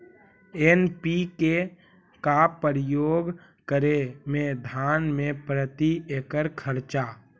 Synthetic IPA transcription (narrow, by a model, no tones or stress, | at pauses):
enpike | kapəɾɪjoːɡ | kəɾemẽd̪ʱaːnmẽpɾət̪ieːkəɾkʰəɾt͡ʃa